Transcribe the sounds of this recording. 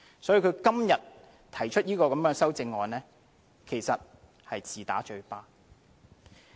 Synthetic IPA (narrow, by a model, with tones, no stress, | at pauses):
sɔː˨˥jiː˨˧kʰɵ˨˧ɥkɐ˥mjɐ˨t̚ | t̪ʰɐ˨˩jt͡ʃʰɵ˥t̚jiː˥kɔː˧kɐ˨mjœː˨˥ŋsɐ˥wt͡sɪ˧ŋːɔː˨nlɛː˥ | kʰe˨˩jsɐ˨t̚ | hɐ˨jt͡siː˨t̪a̰ː˨˥t͡ʃɵ˧ɥpaː˥